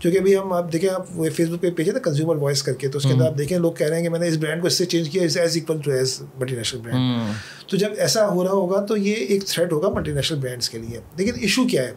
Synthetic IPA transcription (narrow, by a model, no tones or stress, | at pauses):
d͡ʒõːkiɐbʱiɦɐmaːp̚d̪eːkʰẽaːpefeːsbʊk̚pepeːd͡ʒẽːt̪ekɐ̃nzjuːməɾʋɔːɪskɐɾket̪oʊskẽɐnd̪ɾaːp̚d̪eːkʰẽloːɡ̚kɛɦɾeeɦɛ̃kemɛːneɪs̬bɾɛ̃ːɳɖkoɪsːet͡ʃẽːnd͡ʒkijaɪsɛːziːkʋəld͡ʒoːɦɛːzmɐlʈ̬inɛːʃnəlbɾɛ̃ːɳɖ | t̪od͡ʒɐbɛːsaɦoːɾaɦaɦoːɡat̪ojeeːkt̪ʰɾɛʈɦoːɡamɐlʈinɛːʃnəlbɾɛ̃ːɳɖskelied̪eːkɪ̃nɪʃukjaːɦɛː